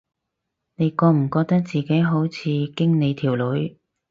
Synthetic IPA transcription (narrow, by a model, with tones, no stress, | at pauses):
ne˨˧jkɔː˧m̩˨˩kɔː˧k̚t̪ɐ˥k̚t͡siː˨ke˨˥jɦo˨˥wt͡sʰiː˨˧kɪ˥ŋne˨˧jt̪ʰiː˨˩wlɵ˨˥ɥ